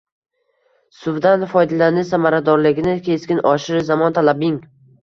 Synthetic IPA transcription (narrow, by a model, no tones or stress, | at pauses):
sʊvd̪anfɒjd̪alanɪsamaɾad̪ɒɾlɪɡʲɪnɪkʲʰe̞skʲɪnʔɒʃɪɾzamɒnt̪ʰalabɪŋ